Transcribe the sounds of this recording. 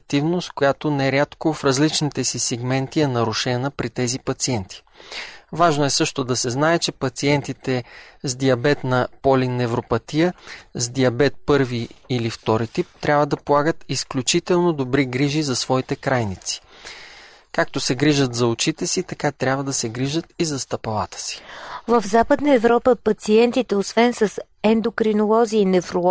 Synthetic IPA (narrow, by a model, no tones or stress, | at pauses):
k̚t̪ivnost̪kojat̪onɛɛɾʲat̪kofɾɐzlit͡ʃnit̪ɛsisɛɡmɛnt̪iɛnɐɾʊʃɛnəpɾit̪ɛzipɐt̪siɛnt̪ʰi̥ | vaʒnoɛsɤʃt̪od̪ɐsɛznaɛt͡ʃɛpɐt̪siɛnt̪it̪ɛzd̪iɐbɛt̪nɐpɔlinɛvɾopɐt̪iəzd̪iɐbɛt̪̚pɤɾviːlift̪ɔɾit̪ip̚t̪ɾʲʔabvəd̪ɐpolˠaɡət̪isklʲut͡ʃit̪ɛlˠnod̪obɾiɡɾiʒizɐsvɔit̪ɛkɾajnit̪si̥ | kak̚t̪osɛɡɾiʒət̪zɐot͡ʃit̪ɛsit̪ɐkat̪ɾʲabvəd̪ɐsɛɡɾiʒət̪izɐst̪ɐpɐlˠat̪ə̥si̥vəvzapəd̪nəɛvɾɔpəpɐt̪siɛnt̪it̪ɛosvɛnsəs | ɛnd̪okɾinolˠɔziinɛvɾo